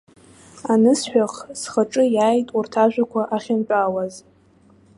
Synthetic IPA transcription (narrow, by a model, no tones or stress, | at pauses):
anɨsħᶣaχsχaʈ͡ʂʼɨjaːjtʼurtʰaʒᶣʷakʷʰaʔaχʲɪnpʼawaz